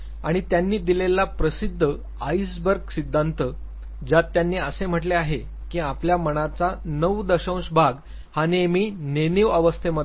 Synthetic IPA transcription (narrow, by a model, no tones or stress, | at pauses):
a̰ɽ̃it̪janːiːd̪ilelapɾəsid̪ʱːə | aisbəɾksid̪ʱːant̪ə | d͡ʑjat̪ːjanːiːəsem̤əʈleaɦe | kĩapljaməɽ̃at͡sanəʋd̪əɕə̃w̃sbʱaɡ | hanemiːneniʋəʋəst̪ʰeməd̪